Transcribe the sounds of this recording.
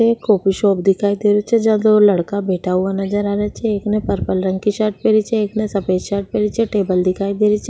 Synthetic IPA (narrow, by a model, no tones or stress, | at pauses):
ekoːpiʃɔːpd̪ɪkʰaːid̪eːɾot͡ʃʰɛd͡ʒãd̪olɐɽkabʱeːʈʰaɦuanɐd͡ʒəɾaːɾat͡ʃʰɛeːknẽpɐɾpəlɾə̃ŋkiʃaːɾʈ̚peːɽit͡ʃʰɛeːknẽsɐpeːʃaːɾʈ̚peːɽit͡ʃʰɛʈeːbəld̪ɪkʰaːid̪eːɾit͡ʃʰɛ